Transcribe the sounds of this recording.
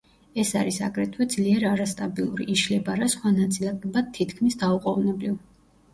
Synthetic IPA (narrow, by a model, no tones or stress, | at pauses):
ɛsaɾisakʼɾɛt̪ʰwɛd̪zliɛɾaɾast̪ʼabilˠuɾḭʔiʃlɛbaɾasχwanat̪sʼilˠat̪ʼɔbad̪̚t̪ʰːit̪ʰkʰmisd̪auqʼɔvnɛbliv